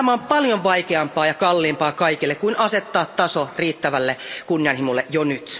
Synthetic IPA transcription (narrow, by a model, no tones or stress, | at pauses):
t̪æmæompɑljoʋʋɑjkeɑmpɑːjɑkɑlːiːmpɑːkɑijkilːekuinʔɑset̪ːɑːt̪t̪ɑsoriːt̪ːæʋælːekunːiɑnhimulːeʔjonyt̪